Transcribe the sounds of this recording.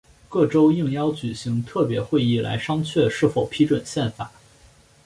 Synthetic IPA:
kɤ˥˩ʈ͡ʂo˥ʊi˥˩ŋjɑ˥ʊt͡ɕy˨˩ɕi˧˥ŋt̪ʰɤ˥˩pjɛ˧˥xwe˥˧ɪi˥˩la̰˧˥ɪʂɑ˥ŋt͡ɕʰɥɛ˥˧ʂɻ̩˥˩fo˨˩ʊpʰi˥ʈ͡ʂwə˨˩nɕjɛ˥˩nfa̰˨˩˦

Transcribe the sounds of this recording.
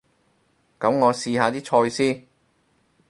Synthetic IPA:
kɐ˨˥mŋɔː˨˧siː˧haː˨˧t̪iː˥t͡ʃʰɔː˧jsiː˥n

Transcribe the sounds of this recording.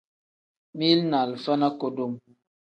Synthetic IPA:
mi˦lna˨lfa˦na˦ko˨do˦˨m

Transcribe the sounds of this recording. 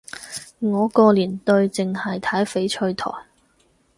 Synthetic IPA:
ŋɔː˨˧kɔː˧liː˨˩nt̪ɵ˧ɥt͡sɪ˨ŋhɐ˨jt̪ʰɐ˨˥jfe˨˥jt͡ʃʰɵ˧ɥt̪ʰɔ̰ː˨˩j

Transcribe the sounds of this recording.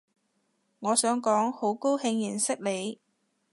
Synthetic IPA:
ŋɔː˨˧sœː˨˥ŋkɔː˨˥ŋho˨˥wko˥whɪ˧ŋjiː˨˩nsɪ˥k̚le˨˧j

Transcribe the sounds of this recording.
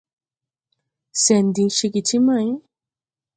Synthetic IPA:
sɛ˨nd̪i˨ʃi˧ki˨ti˦mã˦˨j

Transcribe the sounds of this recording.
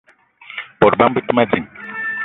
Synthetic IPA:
bɔ˨ɾba˦m˦bi˦ti˦ma˦d͡zi˨m

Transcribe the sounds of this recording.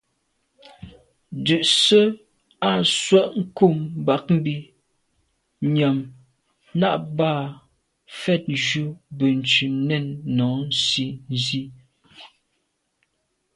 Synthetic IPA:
dʉ˨ʔsə˦ | a˦˨swa˦ʔŋ̩˦ku˦˨mba˦k̚m̩˦bi˦ | ɲa˨m | na˦ʔbaː˦˨ | fɛ˦˨t̚d͡ʒu˦bə˨n̩˨t͡ʃʉ˨nɛ˦˨nːɔ˨˦n̩˦si˦n˨zi˦

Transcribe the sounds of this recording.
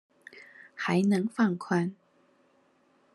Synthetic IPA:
xa˨˧˥ɪnɤ˧˥ŋfɑ˥˩ŋkʰwa˥˩n

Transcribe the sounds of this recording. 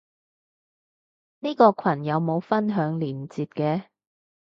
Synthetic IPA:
niː˥kɔː˧kʰɐ˨˩njɐ˨˧wmo˨˧wfɐ˥nɦœː˨˥ŋliː˨˩mt͡siː˧t̚kɛː˧

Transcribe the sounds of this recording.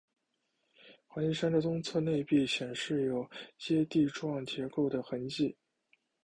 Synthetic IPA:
xwa˧˥i˥˩ʂa˥nd̪ə˨t͡sʊ˥ŋt͡sʰɤ˥˧ne˥˧ɪpi˥˩ɕjɛ˨˩nʂɻ̩˥˩jo˨˩ʊt͡ɕjɛ˥t̪i˥˧ʈ͡ʂwɑ˥˩ŋt͡ɕʰjɛ˧˥ko˥˩ʊd̪ə˩xə˧˥nt͡ɕi˥˩

